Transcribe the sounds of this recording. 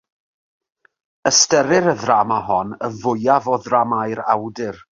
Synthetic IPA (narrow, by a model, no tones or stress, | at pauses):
əstəɾɪɾəðramaɦɔnəvʊjavɔðramajɾawdɪr